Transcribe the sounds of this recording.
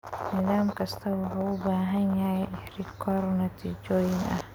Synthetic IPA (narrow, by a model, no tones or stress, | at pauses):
nɪðaːmkɐst̪ʰɐwʊħaːʊbaːɦɐnjajɛʔɪħɾɪkʰɔːɾɔnɐt̪ʰiːd͡ʒoːjɪnʔɐ̰h